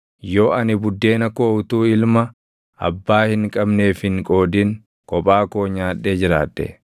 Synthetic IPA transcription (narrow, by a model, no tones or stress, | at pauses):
jo̞ːʔɐnɪbʊd̪ːe̞ːnɐkoːt̪uːɪlmɐ | ɐ̰bːaːhɪŋkʼɐbne̞ːfhɪŋkʼo̞ːd̪ɪŋ | kʼɔpʼaːkoːɲaːᶑːe̞ːd͡ʒɪɾa̰ːᶑːɛ̰